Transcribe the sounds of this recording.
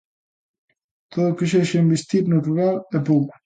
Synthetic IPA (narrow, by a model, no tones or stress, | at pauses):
t̪ʰoðokeʃ̬eʃembist̪it̪nat̪uɾalɛpok